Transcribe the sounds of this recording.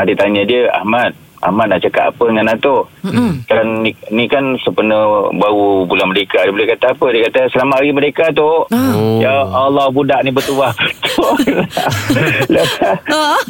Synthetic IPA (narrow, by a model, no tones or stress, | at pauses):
adit̪aɲadiəa̰hmat̪̚ | ʔa̰hmat̪̚naʔt͡ʃakat̪a̰pədəŋanat̪okanːinikansəpənəbaɣubulanməɾekadibolekat̪aːpədiəkat̪əsəlamaʔaɣiməɾekat̪ojaalːɔhbudaʔnibət̪uaht̪ola | ləa